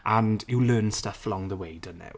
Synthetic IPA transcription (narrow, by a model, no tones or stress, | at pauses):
ʔə̃ndjəlɜːnstəfəlɔ̃ŋðəweɪdə̃nɛ̰ʊ